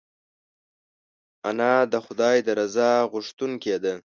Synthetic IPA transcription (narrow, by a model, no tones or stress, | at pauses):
anɑd̪əxʊd̪ɑjd̪əɾazɑɣʊʂt̪uŋked̪ə